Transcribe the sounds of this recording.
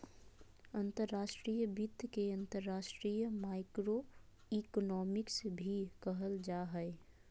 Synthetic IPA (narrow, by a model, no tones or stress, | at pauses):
ənt̪əɾːaʃʈɾijəbit̪keə̃nt̪əɾːaːʃʈɾijəmaɪkɾo | iknɔːmɪksbʱikəɦəld͡ʒaɦəɪ